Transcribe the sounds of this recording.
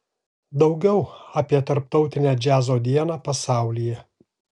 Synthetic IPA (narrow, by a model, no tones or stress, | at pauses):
d̪ɒʊɡʲɛʊɐpʲiɛt̪ɐɾp̚t̪ɒʊt̪ʲɪnʲæd͡ʒʲæːzoːd̪ʲiɛnɑːpɐsɑˑʊlʲijɛ